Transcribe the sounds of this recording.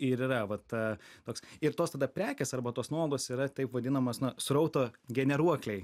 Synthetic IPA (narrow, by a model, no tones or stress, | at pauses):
ɪɾiːɾɐʋɐt̪ɐt̪oːksɪɾt̪oːst̪ɐd̪ɐpʲɾʲæːkʲesɐrbɐt̪oːsnuɔoɡˠoːsiːɾɐt̪ʲɐɪpʋɐd̪ʲɪnɐmoːsnʊsɾɐʊt̪oːɡʲɛnʲɛɾuɔklʲɛɪ